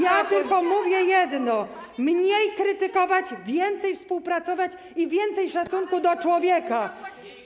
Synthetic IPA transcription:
jat̪ɘlkɔmuvʲjɛjɛd̪nɔmɲejkɾɘt̪ɘkɔvad͡ʑvʲjɛnt̪sɛjfspuwpɾat̪sɔvat͡ɕ | ivʲjɛnt̪sɛjʂat̪sunkud̪ɔt͡ʂwɔvʲjɛka

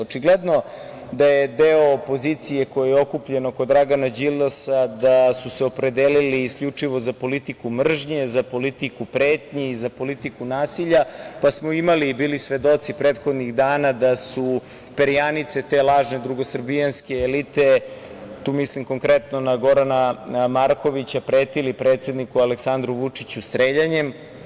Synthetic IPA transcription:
ot͡ʃiɡled̪no̞ | d̪ajed̪eoːpo̞zit̪sije̞ko̞jejeo̞kupʎeno̞kod̪ːɾaɡanad͡ʑilːasad̪asuseo̞pɾe̞d̪eːliliːskʎut͡ʂiʋo̞zapo̞lit̪ikumr̩ʒɲezapo̞lit̪ikupɾeːt̪ɲeizapo̞lit̪ikunaːsiʎapasmoimaliːbiːlisʋe̞d̪o̞t̪sipɾeːt̪xod̪niɣd̪aːnad̪asu | peɾijanit̪se̞t̪e̞lˠaːʒned̪ɾuɡo̞srbijanske̞ːlit̪e̞ | t̪uːmislimko̞ŋkɾet̪nonaɡo̞ɾanamaɾko̞ʋit͡ɕapɾeːt̪ilipɾe̞ːt̪sje̞d̪nikualeksand̪ɾuʋut͡ʂit͡ɕust̪ɾeːʎaɲem

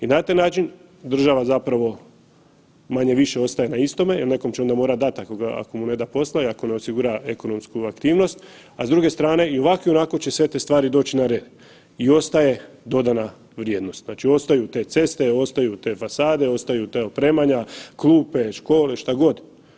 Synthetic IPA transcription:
inat̪ajnaːt͡ʃin | d̪r̩ʒaʋazapɾaʋo̞ | maɲe̞ʋiʃe̞o̞st̪aje̞naist̪o̞mejelne̞ko̞mt͡ɕeod̪amo̞ːɾad̪at̪ako̞ɡaa̰ko̞mune̞d̪apo̞slaiako̞ne̞osiɡuɾae̞ko̞no̞mskuakt̪iːʋno̞st̪ | azd̪ɾuɡe̞st̪ɾaːne̞io̞ʋakio̞nako̞t͡ɕe̞sʋe̞t̪est̪ʋaːɾid̪o̞ːt͡ɕinaɾed̪ | io̞st̪aje̞ | d̪o̞d̪ana | ʋɾje̞ːd̪no̞st̪naːt͡ʃio̞st̪ajut̪e̞t̪se̞st̪e̞o̞st̪ajut̪e̞fasaːd̪e̞o̞st̪ajut̪eopɾe̞ːmaɲaklˠuːpe̞ʃko̞ːle̞ʃt̪aɡo̞d̪

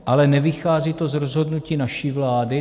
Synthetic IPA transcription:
ʔalɛnɛvɪxaːziːt̪o̞zɾozɦo̞dnuciːnaʃiːvlaːdɪ

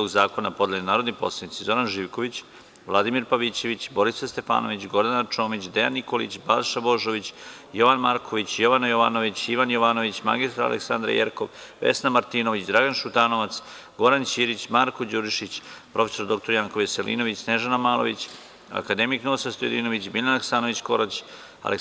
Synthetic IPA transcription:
oɡzaːko̞napod̪eʎenaːɾod̪nipo̞slˠead̪it̪sizo̞ɾanʒiːʋko̞ʋit͡ɕ | ʋlˠad̪imiɾpaʋit͡ɕe̞ʋit͡ɕbo̞ɾisast̪e̞pa̰ːno̞ʋit͡ɕɡo̞ɾd̪anat͡ʃo̞ːmit͡ɕd̪ejanːikolḭt͡ɕbalʃabo̞ʒo̞ʋit͡ɕ | jo̞ʋanmaːɾkʰoʋit͡ɕjo̞ʋanajo̞ʋaːnoʋit͡ɕiʋanjo̞ʋaːno̞ʋit͡ɕma̰ɡist̪ɾaɾa̰lḛksand̪ɾa̰jḛɾkoʋːe̞̰snamaɾt̪iːno̞ʋit͡ɕd̪ɾaɡanʃut̪ano̞ʋat̪sɡo̞ɾant͡ɕiːɾit͡ɕmaɾkod͡ʑuɾʃit͡ɕpɾʔo̞feso̞ɾd̪o̞k̚t̪o̞ɾjaŋko̞ʋeselḭno̞ʋit͡ɕsne̞ʒanamaːlˠoʋit͡ɕ | a̰kad̪e̞miknosast̪ojd̪ino̞ʋit͡ɕmilanaksanoʋit͡ɕko̞̰ɾat͡ɕ | a̰lʔe

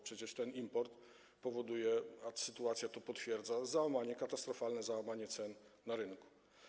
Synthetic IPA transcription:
pʂɛt͡ɕɛʂt̪ɛnimpɔɾt̪ | pɔvɔd̪ujɛasɘt̪uat̪sʲjat̪ɔpɔt̪fʲjɛɾd̪zazawamaɲɛkat̪ast̪ɾɔfalnɛzawamaɲɛt̪sɛnnːaɾɘnku̥

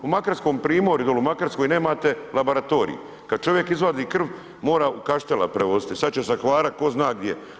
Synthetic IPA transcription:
umakaɾsko̞mpɾiːmo̞ɾud̪olumakaɾskojne̞ːmaːt̪e̞labo̞ɾat̪o̞ːɾḭḭ | kad̪̥̚t͡ʃo̞ʋje̞kizʋad̪iːkr̩ʋ | mo̞ːɾaːukaʃt̪ela̰pɾeʋo̞zit̪isad̪t͡ɕesaxʋaːɾat̪̚ko̞znaːɡd̪je

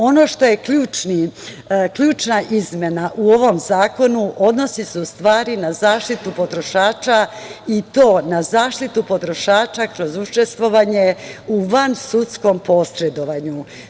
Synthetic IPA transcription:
o̞no̞ʃt̪o̞je̞kʎuːt͡ʃni | kʎuːt͡ʃnaʔizmʲje̞naʔuo̞ʋo̞mzaːko̞nuʔo̞d̪no̞siseust̪ʋaːɾinazaːʃt̪it̪upo̞t̪ɾo̞ʃaːt͡ʃa | it̪o̞ːnazaːʃt̪it̪upo̞t̪ɾo̞ʃaːt͡ʃakɾo̞zut͡ʃe̞st̪ʋo̞ʋaɲe̞uʋansut̪sko̞mpo̞sɾed̪o̞ʋaɲu

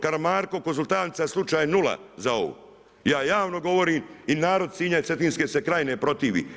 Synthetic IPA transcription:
kaɾmaːɾkokonzulˠt̪aːnt̪saslˠut͡ʃaːjnula̰zao̞̰ʋṵ | jaːjaːʋno̞ɡo̞ʋo̞ɾiːminaːɾo̞d̪siːɲat̪et̪iːnskesekɾajnepɾo̞t̪iːʋḭ

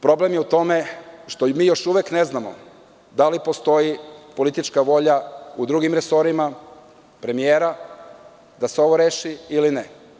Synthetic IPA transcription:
pɾo̞ble̞mjeut̪o̞meʃt̪o̞miːjo̞ʃuʋekneznamo̰ | d̪alipo̞st̪o̞jipo̞lit̪it͡ʃkaʋo̞ʎaud̪ɾuːɡimɾeso̞ɾima | pɾe̞mijeːɾa | d̪aseo̞ʋo̞ɾeːʃiiline

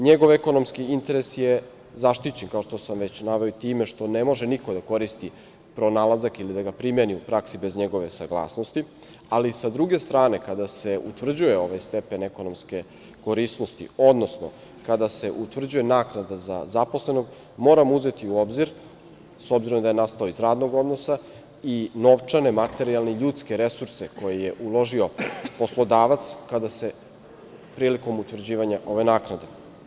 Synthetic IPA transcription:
ɲeɡo̞ʋeko̞no̞mskiint̪e̞ɾesje̞ | zaʃt̪it͡ɕe̞nkaoʃt̪o̞samʋe̞t͡ɕnaʋe̞ot̪iːmeʃt̪o̞ne̞mo̞ʒeniko̞d̪ako̞ɾist̪i | pɾo̞nalˠazakilid̪aɡapɾimjeniupɾaksibe̞zɲeɡo̞ʋe̞saɡlˠa̰ːsno̞st̪i | alisad̪ɾuɡe̞st̪ɾaːne̞kad̪ase̞ut̪vr̩d͡ʑuje̞o̞ʋajst̪e̞pe̞neko̞no̞mske̞ | ko̞ɾisno̞st̪ḭo̞d̪no̞sno̞̰ | kad̪ase̞ʔut̪ʋr̩d͡ʑuje̞naːknad̪aza̰zapo̞sle̞no̞ɡ | mo̞ːɾamuze̞t̪iuo̞bziɾ | so̞bziɾo̞md̪aje̞nast̪aoizɾaːd̪no̞ɡo̞d̪no̞sa | ino̞ʋt͡ʂane̞mat̪e̞ɾialˠne̞iʎuːt̪ske̞ɾe̞suɾse̞ko̞jeje̞ʔulˠo̞ʒio̞po̞slˠo̞d̪aːʋat̪skad̪ase̞ | pɾiːliko̞mut̪ʋr̩d͡ʑiːʋaɲaʔo̞ʋe̞naːknad̪e̞

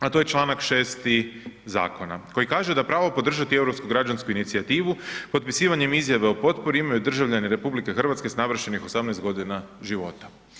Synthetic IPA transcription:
at̪oje̞t͡ʃlˠaːnakʃe̞ːst̪iza̰ːko̞na̰ko̞jikaːʒed̪apɾaːʋopo̞d̪r̩ʒat̪ie̞vɾo̞pskuɡɾad͡ʒanskuinit̪siat̪iːʋupo̞t̪̚pisiːʋaɲe̞mizjaʋe̞opo̞t̪po̞ɾiimajud̪r̩ʒaʋʎaniɾe̞publike̞xr̩ʋat̪ske̞snaʋr̩ʃe̞nixo̞samnest̪ɡo̞d̪inaʒiʋo̞̰t̪ḁ

